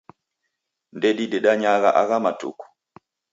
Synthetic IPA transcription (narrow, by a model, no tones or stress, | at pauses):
ndeɗidɛɗaɲaɣa̰ʔaɣamatṵku̥